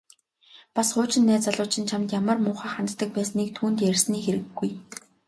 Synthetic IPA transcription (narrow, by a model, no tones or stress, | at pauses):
pasχʊːt͡ɕɪ̆nːæːt͡saɮʊːt͡ɕʰɪ̆nt͡ɕʰamt̪jamə̆rmʊːχæːχant̪ːə̆k̚pæːsniːkt̪ʰuːnt̪jærsniːxeɾɘ̆ɡːuj